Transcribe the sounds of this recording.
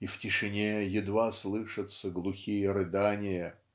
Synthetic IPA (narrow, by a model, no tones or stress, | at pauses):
iftʲɪʂɨnʲejɪd̪vaslˠɨʂɨt̪səɡlˠʊxʲijəɾɨd̪anʲɪjə